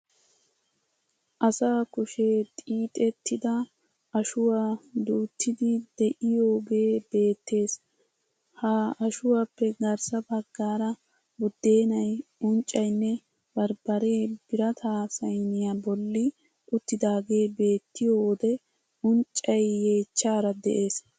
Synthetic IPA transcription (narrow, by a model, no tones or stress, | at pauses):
ʔɐsaːkʊʃeːt̪ʼiːt̪ʼɛt̪ːɪd̪ɐ | ɐʃʊwaːd̪uːt̪ʰːɪd̪ɪd̪̥ɛʔɪjoːɡe̞ːb̥e̞ːt̪ːe̞ːs | haɐʃʊwapːɛɡɐɾsɐbɐɡːaːɾɐ | bʊd̪ːeːnɐjʊnt͡ʃʼːɐjnːɛ | bɐɾbɐɾe̞ːb̥ɪɾɐt̪ʰaːsɐjnɪjabɔlːɪ | ʔʊt̪ːɪd̪aːɡe̞ːbe̞ːt̪ːɪjoːwɔd̪ɛ | ʊnt͡ʃʼːɐjːe̞ːt͡ʃːaːɾɐd̪ɛʔe̞ːs